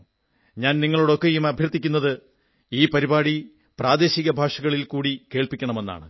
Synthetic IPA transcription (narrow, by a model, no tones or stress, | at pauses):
ɲaːnniŋːɐɭuɽo̞kːejumɐbʱjɐrt̪ːikʲːunːɐðɨ | iːpɐɾibaːɽi | praːd̪e̞ːɕiɣɐbʱaːʂɐɣɐɭilkuːɽike̞ːɭpikʲːɐɳɐme̞nːa̰ːɳɨ̰